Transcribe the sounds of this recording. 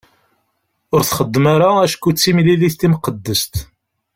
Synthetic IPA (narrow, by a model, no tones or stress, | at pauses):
ʊɾθχəd̪ːmaɾaæʃkːut͡sːimliliθt̪ːimqəd̪ːəst̪